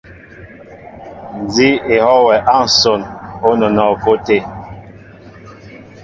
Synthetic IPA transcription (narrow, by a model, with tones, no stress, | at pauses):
n˨zi˦e˨hɔ˦wɛ˨ʔa˦˨n̩˨so˦˨no˦no˨nɔ˨ko˦te˦˨